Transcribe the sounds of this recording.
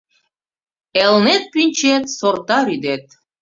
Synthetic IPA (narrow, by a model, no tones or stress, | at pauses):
elnet̪̚pynʲt͡ɕet̪sort̪ɑɾyd̪et̪̚